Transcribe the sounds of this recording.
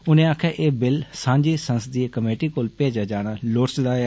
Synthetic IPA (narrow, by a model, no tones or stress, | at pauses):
ʊnẽːaːkʰjaːʔeːbɪlsãːɲd͡ʒiːsənsəd̪iekəmeːʈiːkoːlpeːd͡ʒaːd͡ʒaːɽ̃aːloːʈsɪd̪aː